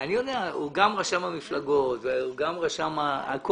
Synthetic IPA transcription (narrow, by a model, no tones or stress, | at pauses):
aniod̪eauɡamʁaʃamamiflaɡot̪veuɡamʁaʃamaa̰k